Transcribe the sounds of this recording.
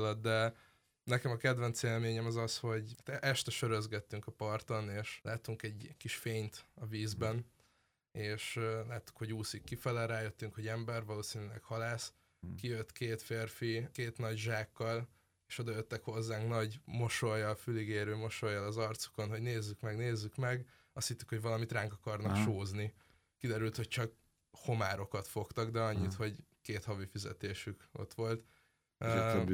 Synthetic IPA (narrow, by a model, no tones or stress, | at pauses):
lɒd̪d̪ɛ | nɛkɛmɒkɛd̪vɛnt̪seːlmeːɲɛmɒzɒsho̞ɟt̪ɛʔɛʃt̪ɛʃøɾøzɡɛt̪ːyŋkɒpɒrt̪o̞neːʃlʔaːt̪uŋkɛɟkiʃfeːɲt̪ɒviːzbɛn | eːʃlaːt̪ːu̥khoɟuːsikːifɛlɛlɾaːjøt̪ːyŋkho̞ɟɛmbɛrvɒloːsinyːlɛ̰khɒlaːs | kijøt̪keːt̪feːrfikeːt̪nɒɟʒaːkːɒl | eːʃo̞d̪ɒjøt̪ːɛkho̞zːaːŋknɒɟmo̞ʃo̞jːɒlfyliɡeːɾøːmo̞ʃo̞jːɒlɒzɒrt̪su̥ko̞nɦoɟneːzːykmɛɡneːzːykmɛɡ | ɒst̪hit̪ːykho̞ɟvɒlɒmit̪raːŋkɒkɒrnɒkʃoːzni | kid̪ɛɾylt̪hoc̚t͡ʃɒk | ho̞maːɾo̞kɒt̪fo̞kt̪ɒɡd̪ɛɒɲːit̪ho̞ɟkeːt̪hɒvifizɛ̰t̪eːʃyko̞̰t̪ʋo̞lt̪ː